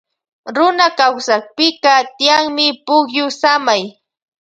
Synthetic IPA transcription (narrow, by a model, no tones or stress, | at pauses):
ɾʊnakawsak̚pɪkɑt̪ɪjaŋmɪpʊkjʊsamaj